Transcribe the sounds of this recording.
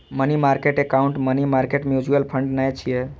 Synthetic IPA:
mənimaɾkeʈekaʊɳʈmənimaɾkeʈmjud͡ʒuəlpʰəɳɖnajt͡ʃʰije

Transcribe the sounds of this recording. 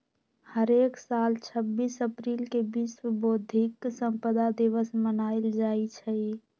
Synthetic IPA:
həɾeksalt͡ʃʰəbːisəpɾilkebisəbod̪ʱiksə̃mpəd̪ad̪iʋəsmənaɪld͡ʒait͡ʃʰəi

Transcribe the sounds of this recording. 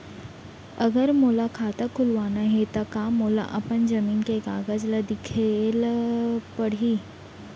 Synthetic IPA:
ɐɡəɾmoːlakʰaːt̪akʰʊlʋaːnaɦet̪ɐkaːmːoːla̰ʔɐpənd͡ʒɐmiːnkeɡaːɡəd͡ʒləd̪ɪkʰelpəɽ̤i

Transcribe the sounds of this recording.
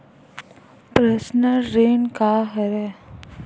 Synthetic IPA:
pɾesnəɾːeːnkaɦɛɾɛ

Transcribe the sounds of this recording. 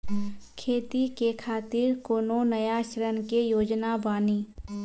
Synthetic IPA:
kʰeːt̪ikekʰaːt̪ɪɾkoːnonəjaʃɾənkejoːd͡ʒnabaːniː

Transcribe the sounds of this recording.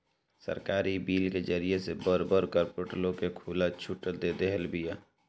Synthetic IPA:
sə̰ɾkaːɾibiːlked͡ʒəɾijesebəɾbəɾkəɾpoʈəlõkekʰuːlat͡ʃʰʊʈəd̪ed̪eɦəlbɪjaː

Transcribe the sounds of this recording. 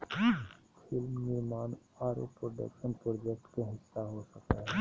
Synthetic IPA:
pʰɪlmnɪmaːn | aːɾo̰pɾoɖə̰kʃənpɾoːd͡ʒɛk̚ʈkeɦɪsːaɦosəkaɦɛː

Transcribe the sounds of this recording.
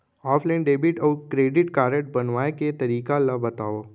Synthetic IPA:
ɔːfʰlaːnɖeːbɪʈɔːɾkɾeːɖɪʈkaːɾəʈ̚bɐnʋaːeket̪ɐɾiːkalabɐt̪aːoː

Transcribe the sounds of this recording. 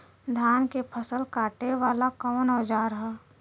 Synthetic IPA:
d̪ʱjaːnkepʰəsəlkaːʈeʋaːlakɔːnɔːd͡ʒaɾɐɦaː

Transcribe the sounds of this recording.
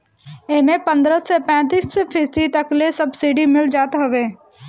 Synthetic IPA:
emẽpə̃nd̪ɾəsepɛ̃ːt̪̬iːspʰiːsd̪it̪əklesəbsiːɖimɪld͡ʒaːt̪ɦoʋeː

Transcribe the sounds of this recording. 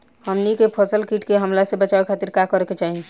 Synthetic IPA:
həmnikepʰəsəlkiʈkeɦəmlasebət͡ʃawekʰat̪iɾkakəɾeket͡ʃaːɦi

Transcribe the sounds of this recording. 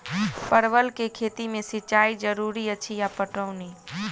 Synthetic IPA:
pəɾʋəlkekʰeːt̪imẽsɪt͡ʃaːid͡ʒəɾuɾiət͡ʃʰijapəʈəʊni

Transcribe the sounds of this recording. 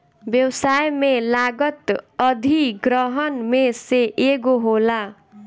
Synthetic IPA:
bjʌwsajmelaɡʌt̪ʌd̪ʱiɡɾʌɦʌnmeseʔeɡoɦola

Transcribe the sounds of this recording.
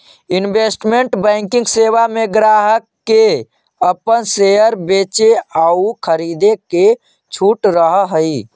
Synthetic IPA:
inbesʈmeɳʈbɛ̃ŋkɪ̃ŋɡseʋameɡɾaɦəkːe | əpənsejəɾbeːt͡ʃeaukʰəɾid̪eke | t͡ʃʰuːʈɾəɦɦəi

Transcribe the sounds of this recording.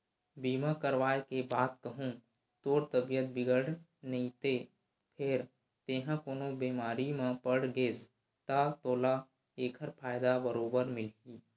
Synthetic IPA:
biːmakəɾʋaːekebaːt̪kəɦũ | t̪oːɾt̪əbijət̪̚bɪɡəɽnəĩt̪e | pʰɪɾ | t̪eːɦãkoːnobiːmaːɾimãpəɽɡeːs | t̪at̪oːla | eːkʰəɾpʰaːjd̪abəɾoːbəɾmɪliː

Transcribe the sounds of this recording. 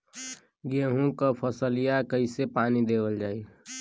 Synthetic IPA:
ɡeɦũkəpʰəsəlijakəisepaːnid̪eːwəld͡ʒaːi

